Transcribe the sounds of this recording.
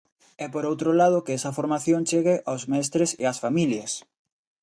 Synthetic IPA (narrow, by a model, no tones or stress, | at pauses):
ɛpoɾowt̪ɾolað̞ʊkeɛsɐfoɾmaθjõŋt͡ʃeɣeʔawzmɛst̪ɾesḛasfamiljɐs